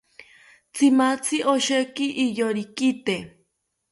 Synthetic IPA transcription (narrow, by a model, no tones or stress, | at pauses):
t͡sʰimat͡sʰiʔoʃekiʔːjoɾikit̪e